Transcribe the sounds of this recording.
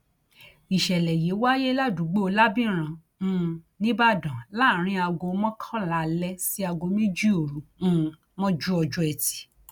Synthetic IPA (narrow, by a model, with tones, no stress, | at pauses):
i˨ʃɛ˨lɛ˨je˨˦wa˦je˦la˦˨du˨˦ɡ͡bo˦o˧la˦bĩ˦ɾ̃ã˧˨˦ | nĩ˦ba˦˨dã˨la˦˨ɾ̃ĩ˧˦a˧ɡo˧˦mɔ̃˦kʰã˦la˨lɛ˦si˦a˧ɡo˧mĩ˦d͡ʒi˦o˨ɾũ˨˦˨ | mɔ̃˦d͡ʒu˦ɔ˧d͡ʒu˧ɛ˨ti̥˨˦